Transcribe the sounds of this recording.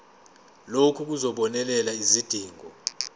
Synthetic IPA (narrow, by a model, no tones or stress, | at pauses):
lokʰuk̬uzɔɓɔnɛlɛlaizid̥ʱiːŋɔ